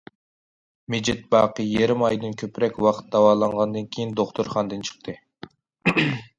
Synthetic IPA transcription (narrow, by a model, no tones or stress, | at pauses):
med͡ʒɪt̪̚bɑːqʰəjeɾɪmɑjd̪ɨnkʲʰøpɾɛkʲwɑqʰt̪̚d̪ɑwɑːlˠɑɴʁɑnd̪ɨnkʲʰejind̪oχt̪ʰuɾχɑnd̪ɨnt͡ʃʰə̥qt̪ʰɨ